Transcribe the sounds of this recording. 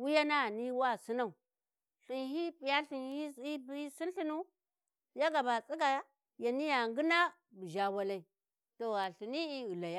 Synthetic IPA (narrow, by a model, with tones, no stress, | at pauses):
wu˦ja˦na˦˨ni˦wa˦˨si˦na˦˨u˨ | ɬi˨nhi˦pi˨ja˦ɬi˨nhi˦i˦bi˦si˦nɬi˦nu˦ | ja˦ɡa˨ba˨t͡sʼi˦ɡa˨a˦ | ja˨ni˦ja˨ŋɡi˦na˦ | bi˨ʒa˨wa˦la˨˦i˨ | to˨a˨ɬi˨ni˦i˦ɣu˨la˨ja˦